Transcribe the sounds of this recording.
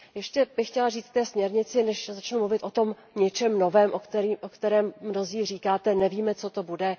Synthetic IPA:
jɛʃcɛb̥ɪxcɛlariːt͡sk̚t̪ɛːsmɲɛɾɲɪt͡sɪnɛʃzat͡ʃnumluvɪt̪ʔo̞t̪o̞m | ɲɛt͡ʃɛmno̞vɛːmʔokt̪ɛɾiːʔokt̪ɛɾɛːmːno̞ziːr̝iːkaːt̪ɛnɛviːmɛt͡so̞t̪o̞budɛ

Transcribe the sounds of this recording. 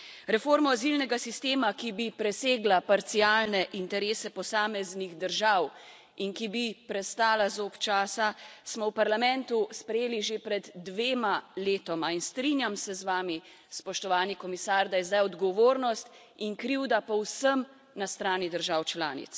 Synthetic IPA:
ɾɛfoɾmɔazilnɛɡasist̪eːmakibipɾɛseːɡlapaɾt̪siaːlnɛʔint̪ɛɾeːsɛpɔsaːmɛzniɣd̪əɾʒaw | inkibipɾɛst̪aːlazoːpt͡ʃaːsasmɔwpaɾlamɛ̃nt̪uspɾɛjeːliʒepɾɛd̪ːʋeːmaleːt̪ɔmainst̪ɾinjamsɛzʋaːmi | spɔʃt̪ɔʋaːnikɔmisaːɾd̪ajɛzd̪ajɔd̪ɡɔʋoːɾnɔst̪ | iŋkɾiwd̪apɔwsəm | nast̪ɾaːnid̪əɾʒaːwt͡ʃlaːnḭt̪s

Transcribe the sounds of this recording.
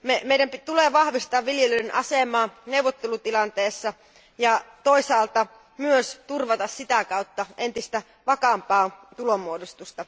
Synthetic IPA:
memeiɾæmpit̪uleːʋɑhʋist̪ɑːʋʋiljelyenʔɑ̰semɑːneuʋot̪ːelut̪ilɑnt̪eːsːɑ | jɑt̪oisɑːlt̪ɑ | myøst̪urʋɑt̪ɑssit̪ækɑut̪ːɑent̪ist̪æ | ʋɑkɑmpɑːt̪ulomːuodost̪ust̪ɑ

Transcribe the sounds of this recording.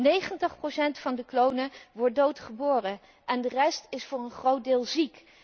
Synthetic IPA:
nejχəntəχprosɛntfɑndəklownəʋɔɹt̚dowtχəboːrə | ʔɛndərɛstɪsfʊːrənχrowt̚dɪːlˠzik

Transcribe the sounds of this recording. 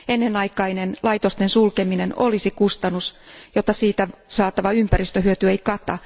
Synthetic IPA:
e̞nːenɑjkɑinenlʔɑjt̪ost̪ensulkemineno̞̰lisikust̪ɑnːusjot̪ːɑsiːt̪æsɑːt̪ɑʋɑympæɾist̪øhyøt̪ye̞jkɑt̪ɑ̰

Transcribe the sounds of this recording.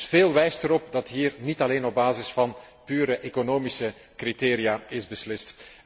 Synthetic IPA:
v̥eːlˠʋɛjstəɾɔp̚dɑtɦiːrnitɑleːnɔb̚aːzɪsfɑn | pyːɾəʔekonoːmisə | kriteːɾijaːɪzbəslɪst

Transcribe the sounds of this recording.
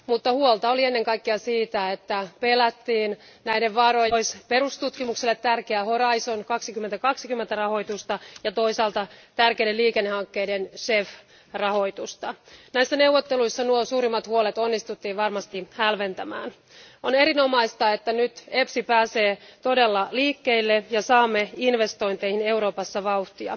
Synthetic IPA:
mut̪ːɑhuolt̪ɑolienːe̞ŋkɑikːiɑsiːt̪æet̪ːæpe̞læt̪ːiːnnæjdeʋʋɑɾo̞jspe̞rust̪ut̪kimukselːet̪ːærkeæhoɾɑjso̞nkɑksikymːet̪ækɑksikymːent̪ærɑho̞jt̪ust̪ɑjɑt̪o̞isɑːlt̪ɑt̪ærkeideliːkenːehɑŋkːe̞jdense̞f | rɑho̞jt̪ust̪ɑnæjsːæne̞wʋːot̪ːe̞luisːɑnuosuːɾimːɑt̪huolet̪o̞nːist̪ut̪ːiːʋʋɑrmɑst̪ihælʋe̞nt̪æmæ̰ːn | one̞ɾino̞mɑist̪ɑe̞t̪ːænyt̪e̞psipæːse̞ːt̪o̞de̞lːɑliːkːe̞ilːe̞jɑsɑːmːe̞inʋe̞st̪o̞jnt̪e̞jhine̞uɾo̞ːpɑsːɑʋɑuht̪iɑ̰

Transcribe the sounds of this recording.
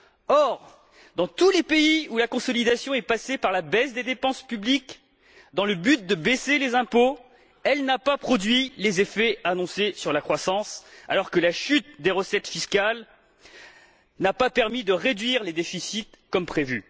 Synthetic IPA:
ɔʁ | d̪ɑ̃t̪ulepeiulakɔ̃sɔlid̪asjɔ̃ɛpasepaʁlabɛsd̪ed̪epɑ̃spyblik | d̪ɑ̃ləbyt̪̚d̪əbeselezɛ̃po | ɛlnapapχɔd̪ɥilezefɛanɔ̃sesyʁlakχwasɑ̃sa̰lɔʁkəlaʃyt̪̚d̪eʁəsɛt̪fiskal | napapɛʁmid̪əʁed̪ɥiʁled̪efisit̪ | kɔmpχevy̰

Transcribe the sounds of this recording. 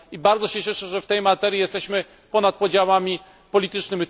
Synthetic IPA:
ibaɾd̪zɔɕɛt͡ɕɛʂɛʐɛft̪ɛjmat̪ɛɾʲjijɛst̪ɛɕmɘ | pɔnat̪̚pɔd͡ʑawamʲi | pɔlʲit̪ɘt͡ʂnɘmʲi

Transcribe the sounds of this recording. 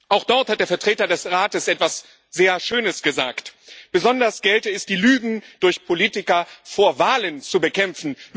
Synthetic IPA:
ʔaʊxd̥ɔɐthat̚d̥eːɐfɛɐtʁ̥eːtɐdɛsʁaːtəsʔɛtv̥as | z̥eːɐʃøːnəsɡ̥əzaːktb̥əzɔndɐsɡ̥ɛltəɛsd̥iːlyːɡŋ̩d̥ʊɐçpʰoliːtɪkɐfoːɐvaːlənt͡subəkʰɛmfn̩

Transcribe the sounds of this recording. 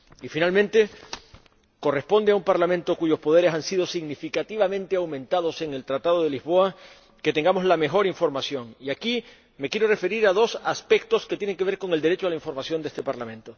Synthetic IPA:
ifinalmẽnt̪e̞ | ko̞respo̞nd̪eaumpaɾlamẽnt̪o̞kuʝo̞spo̞ð̞e̞ɾesansiðo̞siɡnifikat̪iβamẽ̞nt̪e̞awmẽ̞nt̪að̞o̞se̞ŋe̞lt̪ɾat̪aðo̞ð̞e̞lizβo̞a | ke̞t̪e̞ŋɡamo̞slame̞xo̞ɾiɱfo̞ɾmasjo̞ŋiaki | me̞kje̞ɾo̞re̞fe̞ɾiɾaðo̞saspe̞k̚t̪o̞ske̞t̪je̞ne̞ŋke̞βe̞ɾko̞ŋe̞ld̪eɾet͡ʃoalaiɱfo̞ɾmasjond̪est̪e̞paɾlamẽ̞nt̪o̞

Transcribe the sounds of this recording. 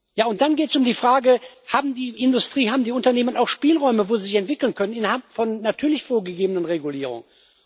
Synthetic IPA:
jaːʊnt̚d̥anɡeːtsʊmdiːfʁ̥aːɡəhaːbm̩diːʔɪndʊstʁ̥iːhaːbm̩diːʊntɐneːmənaʊxʃpiːlʁɔʏməvoːziːzɪçɛntv̥ɪkl̩nkʰœnənɪnɐhafɔnːatʰyːɐlɪçfoːɐɡəɡeːbənənʁeɡuliːʁʊ̰ŋə

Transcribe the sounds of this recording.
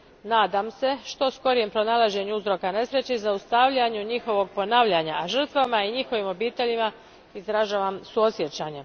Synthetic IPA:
naːd̪amse̞ʃt̪o̞sko̞ɾije̞mpɾo̞naːlˠaʒe̞ɲuuzɾo̞kane̞sɾet͡ɕezaust̪aʋʎaɲuɲixo̞ʋo̞ɡ̚po̞naːʋʎaɲaaʒr̩t̪ʋamaiɲixo̞ʋimo̞biːt̪e̞ʎima | izd̪ɾaʒaːʋamsuo̞sje̞t͡ɕaːɲe̞

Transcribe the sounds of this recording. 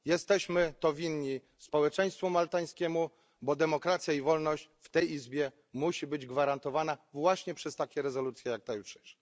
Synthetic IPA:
jɛst̪ɛɕmɘt̪ɔvʲinɲi | spɔwɛt͡ʂɛj̃st̪fumalt̪aj̃skʲɛmu | bɔd̪ɛmɔkɾat̪sʲjaivɔlnɔɕt͡ɕft̪ɛjizbʲjɛ | muɕibɘd͡ʑɡvaɾant̪ɔvanavwaɕɲɛpʂɛst̪akʲɛɾɛzɔlut̪sʲjɛjak̚t̪ajuɛʂ

